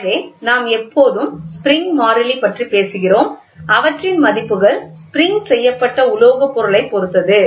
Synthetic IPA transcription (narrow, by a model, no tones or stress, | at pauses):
ɾeːnaːmɛpːoːðɯmspɾɪŋɡmaːɾɐlipːɐʈripeːsɯɣɪroːm | ɐʋɐʈrɪnmɐðɪpːɯɣɐɭspɪɾɪŋɡsɛjːɐpːɐʈːɐʊloːɣɐpːɔɾɯɭɐɪpːɔɾɯt̪ːɐðɯ